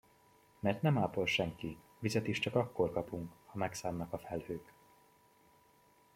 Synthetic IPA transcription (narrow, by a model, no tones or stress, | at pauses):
mɛrt̪nɛmaːpo̞lʃɛŋki | vizɛt̪iʃt͡ʃɒkɒkːo̞rkɒpuŋkhɒmɛksaːmnɒkɒfɛlhøːk